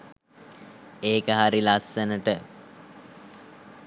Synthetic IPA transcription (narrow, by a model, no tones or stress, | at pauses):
eːkəɦaɾilasːənəʈə